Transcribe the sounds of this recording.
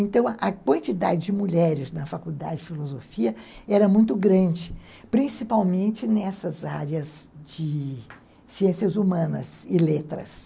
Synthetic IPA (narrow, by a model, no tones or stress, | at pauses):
ẽnt̪ɐ̃w̃ɐkwɐ̃nt͡ʃid̪a̰d͡ʒɪd͡ʒɪmuʎɛɾɪznɐfakuwd̪ad͡ʒɪd͡ʒɪfilozofiɐɛɾɐmũj̃t̪ʊɡɾɐ̃d͡ʒɪ | pɾĩsipawmẽnt͡ʃɪnɛsɐzaɾjɐzd͡ʒɪ | siẽsjɐzumɐ̃nɐ̰zɪlet̪ɾɐ̰s